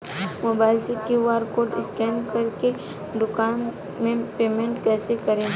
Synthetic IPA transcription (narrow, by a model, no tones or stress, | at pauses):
moːbaːɪlsekiwaːɾkoːɾʈɪskɛːnkɐɾke | d̪ʊkaːn | mẽpeːmẽɳʈkɛːsekɐɾẽ